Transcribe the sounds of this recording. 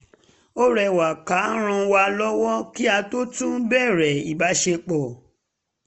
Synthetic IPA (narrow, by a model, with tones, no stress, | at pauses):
o˦ɾɛ˧˨wa˨ka˨˦ɾ̃ã˧wa˧˦lɔ˦wɔ˦ki˦a˧to˦tũ˦bɛ˦˨ɾɛ˨i˨ba˨˦ʃe˧k͡pɔ˨